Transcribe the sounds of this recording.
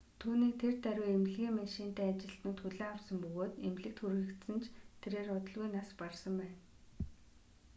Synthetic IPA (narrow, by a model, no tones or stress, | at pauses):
t̪ʰuːniːk̚t̪ʰert̪æɾʲuːemɮɣʲiːŋmaʃiːn̥t̪æːat͡ɕɪ̆ɬt̪nʊ̆nt̪xuɮeːawsə̆mpɵɣoːt̪emɮɘ̆k̚t̪xuɾɣɘ̆kt̪sə̆nt͡ɕʰt̪ʰeɾeːrʊt̪ə̆ɮɣujnasparsə̆mpæːn